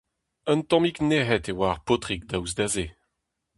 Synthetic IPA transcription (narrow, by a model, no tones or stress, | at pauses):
ənt̪ɔ̃mikneɦɛtewaːʁpotʁik̚d̪awzd̪aze